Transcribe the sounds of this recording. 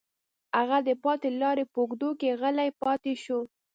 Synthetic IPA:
haɣad̪əpɑt̪elɑɾepoɡd̪okeɣəlajpɑt̪eʃu

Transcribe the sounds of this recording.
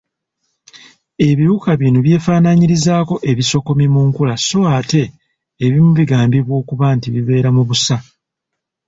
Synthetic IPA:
e̞βiɾukaβinuβje̞ːfaːnaɲiɾizaːko̞ʔe̞βiso̞ko̞mimuːŋkulaso̞ate̞ː | βimuβiɡaːmbiβwo̞ːkuβantiβiβe̞ːɾamuβusa

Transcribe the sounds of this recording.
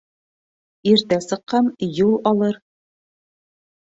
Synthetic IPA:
iɾt̪æsɤ̆qːɑnjulˠɒlˠɤɾ

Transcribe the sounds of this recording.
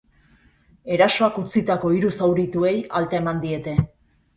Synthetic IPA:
e̞ɾaso̞akut͡sit̪ako̞iɾusawɾit̪ue̞jalt̪ae̞mand̪ie̞t̪e̞

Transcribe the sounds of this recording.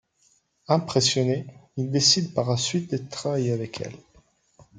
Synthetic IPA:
ɛ̃pχesjɔneild̪esid̪paʁlasɥit̪̚d̪ət̪χavajeavɛkʰɛ̰l

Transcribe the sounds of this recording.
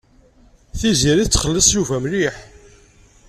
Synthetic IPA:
θiziɾit͡sːχəlːəsˤjuvæmliħ

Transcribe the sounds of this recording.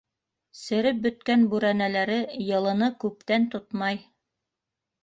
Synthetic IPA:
sɘ̆ɾɘp̚bɵ̆t̪kænbʉɾænælæɾɘjɤ̆lˠɤ̆nɤkʉp̚t̪ænt̪ot̪mɑj

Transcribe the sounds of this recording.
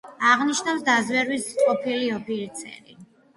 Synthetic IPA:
aʁniʃnafsd̪azwɛɾwisʼqʼɔpʰiliɔpʰiɾit̪sʰɛ̰ɾi

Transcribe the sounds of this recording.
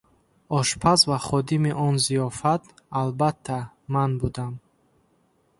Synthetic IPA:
ɔʃpʰasvaχɔd̪imiʔɔnzijɔfat̪ | albat̪ʰːa | manbud̪am

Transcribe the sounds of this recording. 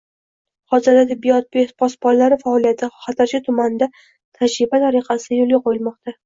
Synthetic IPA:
hɒzɪɾd̪at̪ʰɪbːijɒt̪̚bepʰɒsbɒnlaɾɪfaɒlijat̪ʰɪχɑt̪ʰaɾt͡ʃʰɪt̪ʰʊmand̪a | t̪ʰad͡ʒɾɪbat̪ʰaɾiqʰɑsɪd̪ajolˠɡʲaqojɪlˠmɒqt̪ʰa

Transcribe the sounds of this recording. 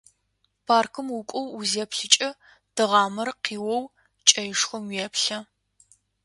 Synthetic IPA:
pʰaːrkʰɨmwʊkʷʼɔwuzeːpɬɨt͡ʃʼɐ | d̥ɨʁɑːmɐrqiːwɔw | t͡ʃʼɐjɪʂxʷʊmweɛːpɬɐ

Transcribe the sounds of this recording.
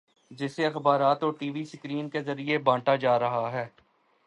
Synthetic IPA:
d͡ʒɪseɐxbaːɾaːt̪oːɾʈiːʋisɪkɾiːnkezɐɾiebãːʈad͡ʒaːɾɐɦaɦɛː

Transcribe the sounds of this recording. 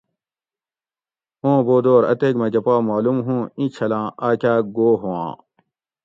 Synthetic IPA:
õːboːd̪oːɾɐ̰t̪eːkmɐ̃d͡ʑɐpaːmaːlumɦũːĩt͡ɕʰɐlãːʔaːkʲaːɡoːɦowã̰ː

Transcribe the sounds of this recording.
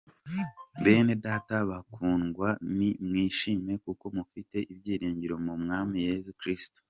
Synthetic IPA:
be̞ːne̞daːtaβakʰuːŋɡwanimŋiːʃime̞kuko̞mufite̞ʔibjiːɾiːɲɟiɾo̞mumŋaːmije̞zukɾisto̥

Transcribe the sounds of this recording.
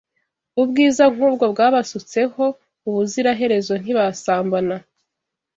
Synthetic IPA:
ubɡiːzaŋ̥uːbɡo̞bɡaːβasut͡se̞ho̞ | uβuziɾaɦe̞ɾe̞zo̞n̥iβasaːmbana

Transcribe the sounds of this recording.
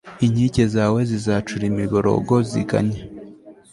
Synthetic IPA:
iɲiɟezaːwe̞zizaːt͡ʃuɾimiβoɾo̰ɡo̞zḭɡa̰ɲe

